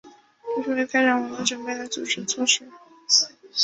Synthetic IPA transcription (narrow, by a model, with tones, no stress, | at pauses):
i˧˥ʂu˥i˧˥kʰa˥ɪʈ͡ʂɑ˨˩ŋwə˧˥tə˥ʈ͡ʂə˨˩pe˥˩lə˧˥t͡su˨˩ʈ͡ʂɻ̩˧˥t͡sʰwɔ˥˧ʂɻ̩˥